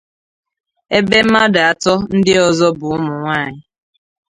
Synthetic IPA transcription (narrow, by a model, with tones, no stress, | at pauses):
e˦be˦m̩˦ma˦da˨a˨tɔ˦n̩˦dɪ˦ɔ˨zɔ˦bʊ˨ʊ˦mʊ˨ŋʷa˦˨ɲɪ˦